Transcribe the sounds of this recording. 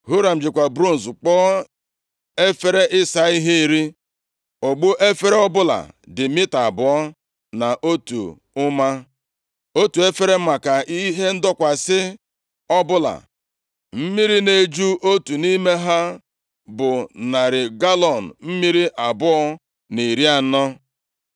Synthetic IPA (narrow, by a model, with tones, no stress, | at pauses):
ɦu˦ɾa˨m̩˨d͡ʒɪ˨kʷa˨bɾu˦n̩˨sk͡pɔː˦ | e˦fe˦ɾe˦ʔɪ˦sa˨i˦ɦe˦i˨ɾi˦ | o˨ɡ͡bo˦ʔe˦fe˦ɾe˦ɔ˦bʊ˦la̰˨dɪ˨mɪ˦ta˨bʊ˨ɔ˦ | na˨ʔo˦tṵ˨ | ʊ˦ma˦ | o˦tu˨e˦fe˦ɾe˦m̩˦ma˨ka˨ʔi˦ɦe˦n̩˦dɔ˦kʷa˨sɪ˦ | ɔ˦bʊ˦la̰˨ | m̩˦mi˦ɾi˦ne˨d͡ʒu˦o˦tu˨ni˦me˦ɦa˦ | bʊ˨na˨ɾɪ˨ɡa˦lɔ˨n̩˨m̩˦mi˦ɾi˦ʔa˨bʊ˦ɔ˦ | ni˨ɾi˦a˨˦nɔ˦